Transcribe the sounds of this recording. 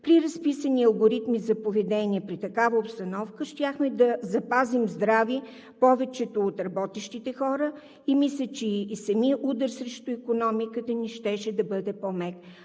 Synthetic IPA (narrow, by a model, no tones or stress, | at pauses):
pɾiɾɐspisəniɐlˠɡoɾit̪mizɐpovɛd̪ɛniɛpɾit̪ɐkavəopst̪ɐnɔfkəʃt̪ʲjaxmɛd̪ɐzɐpazimzd̪ɾavi | pɔvɛt͡ʃɛt̪oːt̪ɾɐbɔt̪ɛʃt̪it̪ɛxɔɾə | imislʲət͡ʃɛsɐmiəʔud̪əɾsɾɛʃt̪ʊikonɔmikət̪əniʃt̪ɛʃɛd̪ɐbɤd̪ɛpɔmɛk